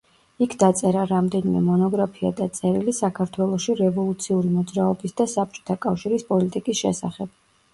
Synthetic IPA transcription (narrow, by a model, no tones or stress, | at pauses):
ikʰd̪at̪sʼɛɾaɾamd̪ɛnimɛ̰mɔnɔɡɾapʰia̰d̪at̪sʼɛɾilisakʰaɾt̪ʰwɛlˠɔʃiɾɛvɔlˠut̪sʰiuɾimɔd̪zɾaɔbisd̪asap̚t͡ʃʼɔ̥t̪ʰakʼafʃiɾispʼɔlit̪ʼikʼisʃɛ̰sa̰χɛb̥̚